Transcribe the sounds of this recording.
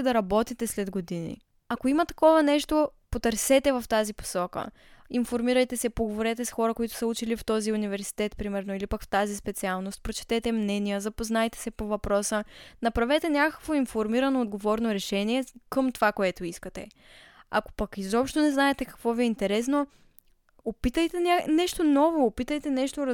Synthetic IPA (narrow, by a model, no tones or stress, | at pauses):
d̪ɐɾɐbɔt̪it̪ɛslɛd̪ɡod̪inḭ | ɐkoimɐt̪ɐ̥kɔvɐnɛʃt̪opot̪əɾsɛt̪ɛvɐft̪azipo̥sɔkə̰ | infoɾmiɾɐjt̪ɛsɛpoɡovoɾɛt̪ɛsxɔɾəkoit̪ʊ̥səut͡ʃilift̪ɔziunivɛɾsi̥t̪ɛt̪pɾimɛɾnoilipɐkft̪azispɛt̪sialˠnost̪̚pɾot͡ʃɛ̥t̪ɛt̪ɛmnɛnijəzɐpoznajt̪ɛ̥sɛpovɐpɾɔsənɐpɾɐvɛt̪ɛnʲakəkvoinfoɾmiɾɐnoːd̪ɡovɔɾnoɾɛʃɛniɛkəmt̪ovakoɛt̪oiskət̪ɛ̰ | a̰ko̥pɐkizɔpʃt̪onɛznaɛt̪ɛkɐ̥kvɔviɛint̪ɛɾɛs̬no | opit̪əjt̪ɛnʲanɛʃt̪onɔvoːpit̪əjt̪ɛnɛʃt̪o